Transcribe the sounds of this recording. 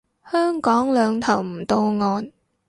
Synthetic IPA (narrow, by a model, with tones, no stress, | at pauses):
hœː˥ŋkɔː˨˥ŋlœː˨˧ŋt̪ʰɐ˨˩wm̩˨˩t̪o˧wŋɔː˧n